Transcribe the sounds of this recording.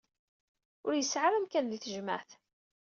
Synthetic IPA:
ʊɾjəsʕaɾæmkænðiθəʒma̰ʕθ

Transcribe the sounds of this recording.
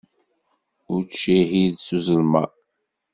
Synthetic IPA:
ʊɾt͡ʃːiɦiðsuzəlmæ̰

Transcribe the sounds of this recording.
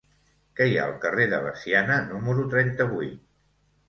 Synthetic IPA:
kɛja̰əlˠkəreðə̰βə̰sianənuməɾut̪ɾɛnt̪əβujt̪̚

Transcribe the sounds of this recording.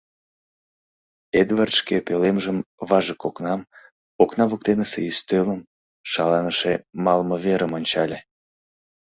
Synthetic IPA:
ed̪vɑrʃkepelemʒəmβɑʒəkoknɑm | oknɑβuk̚t̪enəsḛyst̪øləm | ʃɑlɑnəʃemɑlməβeɾəmonʲt͡ɕɑlʲe

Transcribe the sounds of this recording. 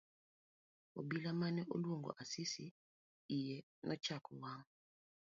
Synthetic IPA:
o̰bilamanɛʔolwoŋɡɔ̰ʔasisi | ijɛ | nʔɔt͡ʃakʰuwaŋ

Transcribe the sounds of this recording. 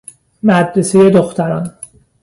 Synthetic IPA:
mæd̪ɾesejed̪oxt̪æɾɒn

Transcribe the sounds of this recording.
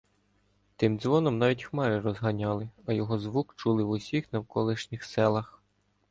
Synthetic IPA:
t̪ɪmd̪zʋɔnɔmnɑʋʲitʲxmɛɾɪrɔzɦɐnʲɑlˠɪɐjɔɦɔzʋukt͡ʃulˠɪʋusʲixnɐwkɔlˠɪʃnʲixsɛlˠɐx

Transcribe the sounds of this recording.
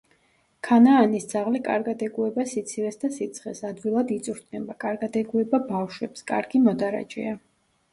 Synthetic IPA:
kʰanaːnisd̪zaʁlikʼa̰ɾɡad̪ɛɡuɛbasit̪sʰiɾɛsd̪asit̪sʰχɛsad̪wilˠad̪it̪sʼuɾt̪̚ʰnɛbakʼaɾɡad̪ɛɡuɛbabafʃwɛpskʼa̰ɾɡimɔd̪aɾa̰d͡ʒʼɛ̰a

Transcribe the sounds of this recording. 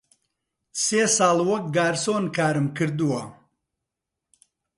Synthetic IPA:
seːsaːlwɔk̚ɡaːɾsoːnkʰaːɾɨmkʰɨɾd̪uwɐ

